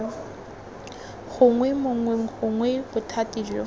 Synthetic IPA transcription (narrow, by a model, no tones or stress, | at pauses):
ɣʊŋwɛmʊŋwɛχʊŋwɛbʊtʰatʼiːd͡ʒɔ̰